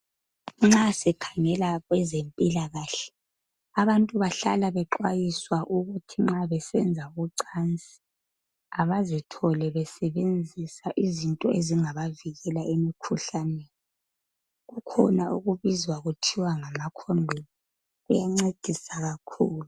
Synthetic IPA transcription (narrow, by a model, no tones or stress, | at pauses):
ŋ͡ǁasɛkʰaŋɛlaɣwɛzempʼilaɣaːɬɛ̥ | aβantʼuβaɬa̰laβɛǃwajiswaʔuɣutʰiŋ͡ǁaβɛsɛnd͡zʱaɣuǀant͡sʼi̥ | aβazitʰɔlɛβɛsɛβend͡zʱisaʔizintʼɔeziŋaβaviɣɛlaemikʰuɬanɛːni | ɣukʰɔ̰naʔuɣuβizwaɣutʰiwaŋamakʰonʱini | ɣujaŋ͡ǀed̥ʱisaɣakʰuːlu